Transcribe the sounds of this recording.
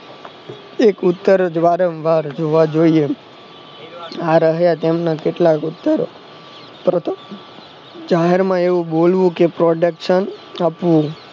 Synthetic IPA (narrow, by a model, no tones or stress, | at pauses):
ekʊt̪ːəɾd͡ʒʋaɾəmʋaɾd͡ʒoʋad͡ʒoie | aɾəɦjat̪emnakeʈlakʊt̪ːəɾo | pɾət̪ʰ | d͡ʒaɦeɾmãeʋũbolʋũkepɾɔɖəkʃənapʋũ